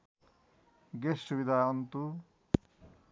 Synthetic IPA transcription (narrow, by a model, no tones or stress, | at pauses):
ɡesubid̪ʱaʌnt̪u